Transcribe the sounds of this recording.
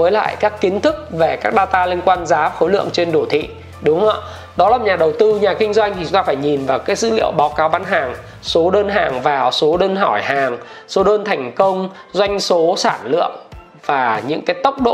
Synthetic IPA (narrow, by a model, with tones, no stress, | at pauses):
vəː˨˦jla̰ː˧˨jkaː˦˥kːi˨˦ənt̪ʰɨ˦˥k̚ve˨˩kaː˦˥k̚ɗaː˧t̪aː˧li˧ənkwaː˧nzaː˨˦xo˨˦jlɨ̰˧˨əŋt͡ɕe˧nɗo˧˩t̪ʰḭ˧˨ | ɗʊ˨˦ŋ͡mhə̰˧˨ | ɗɔ˨˦laː˨˩ɲaː˨˩ɗə˨˩wt̪ɨ˧ɲaː˨˩kï˧ŋ̟zwa˧jŋt̪ʰi˨˩t͡ɕu˨˦ŋ͡mt̪aː˧faː˧˩jɲi˨˩nvaː˨˩wkaː˨˦jsɨ̰˧˥lḭ˧˨əwɓaː˨˦wkaː˨˦wɓaː˨˦nɦaː˨˩ŋ | so˨˦ɗəː˧nɦaː˨˩ŋvaː˨˩so˨˦ɗəː˧nɦɔ˧˩jhaː˨˩ŋ | so˨˦ɗəː˧nt̪ʰɛ˨˩jŋ̟kə˧wŋ͡m | zwa˧jŋ̟so˨˦saː˧˩nlɨ̰˧˨əŋ | vaː˨˩ɲɨ̰˧˥ŋkaː˨˦jt̪ə˦˥wk͡p̚ɗo̰˧˨